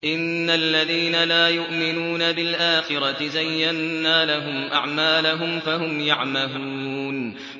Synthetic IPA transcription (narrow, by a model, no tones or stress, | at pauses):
ʔɪnːalːaðiːnalaːjʊʔmɪnuːnabɪlʔaːxɪɾˤɑt̪ɪzajːanːaːlaɦʊmʔa̰ʕmaːlaɦʊmfaɦʊmjaʕmaluːn